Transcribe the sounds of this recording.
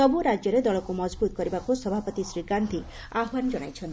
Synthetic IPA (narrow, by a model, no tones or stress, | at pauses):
ɔbuɾad͡ʒjɔɾed̪ɔɭɔkumɔd͡ʒbut̪ɔkɔɾibakusɔbʱapɔt̪isɾiɡant̪ʰi | aɦwand͡ʒɔɽ̃ajt͡ʃʰɔn